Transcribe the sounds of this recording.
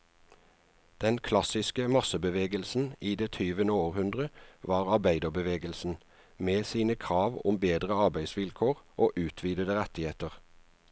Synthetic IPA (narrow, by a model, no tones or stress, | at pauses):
d̪̥ɛnkʰlɑsɪskəmɑsəbəʋeːɡəlsn̩iːd̪eːt̪ʰyːʋənəoːʁhʉnd̪ʁəʋɑːʁɑʁbæɪd̪əʁbəʋeːɡəlsn̩ | meːsiːnəkʰʁɑːʋʊ̰mbeːd̪ʁəɑʁbæɪd̪sʋɪlkʰoːʁʔoːʔʉːt̪ʰʋiːd̪əd̪əʁɛt̪ɪheːt̪əʁ